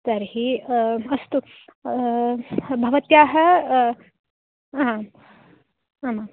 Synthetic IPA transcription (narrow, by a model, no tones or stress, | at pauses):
t̪ɐɾɦiɐst̪u | bʱɐʋɐt̪jaːɦə | ɦa | ama